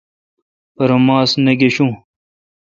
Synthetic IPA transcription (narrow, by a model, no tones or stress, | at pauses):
pɐɾomãːsneɡeɕũː